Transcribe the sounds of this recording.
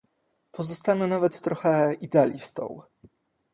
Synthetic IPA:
pʰɔzɔst̪anɛnavɛt̪ːɾɔxɛid̪ɛalʲḭst̪ɔ̰̃w

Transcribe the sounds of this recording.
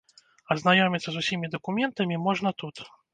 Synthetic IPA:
ɐznajɔmʲit̪sːɐzusʲimʲid̪ɐkumʲɛnt̪ɐmʲimɔʐnɐt̪ut̪

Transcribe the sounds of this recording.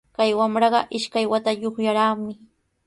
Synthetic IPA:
kajwamɾɑɢɑʔɪʃkajwat̪aʎoχjaɾaːmɪ

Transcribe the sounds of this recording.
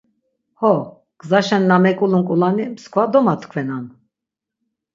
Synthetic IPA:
hɔ | ɡ̥ʼzaʃɛnːamɛkʼuluŋkʼulanimskʰʼvad̪ɔmat̪ʰkʰvɛnan

